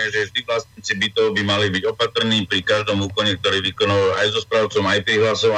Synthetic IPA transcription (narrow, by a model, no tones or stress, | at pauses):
ɛʒɛvʒd̪iʋlasɲiːt͡sibit̪ɔʊbimalibiɟɔpat̪r̩niːpɾikaʒd̪ɔmuːkɔɲɛk̚t̪ɔɾiːʋikɔnaʋaajzɔspɾaʊt͡sɔmajpɾiɦlasɔʊ